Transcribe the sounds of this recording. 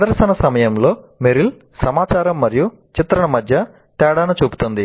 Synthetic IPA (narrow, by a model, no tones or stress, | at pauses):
d̪ɐɾsɐnɐsɐmɐjɐmlo̞ːmeɾil | sɐmaːt͡ʃaːɾɐmːɐɾiju | t͡ʃit̪ɾɐɳɐmɐd̪ʱjɐ | t̪ɛːɽaːnɐt͡ʃuːpu̥t̪und̪i